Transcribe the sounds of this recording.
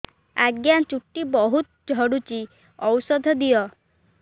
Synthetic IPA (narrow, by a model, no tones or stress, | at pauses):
aɡjant͡ʃuʈːibɔɦut̪̚d͡ʒʱɔɽut͡ʃi | ɔwsɔd̪ʱɔd̪ijɔ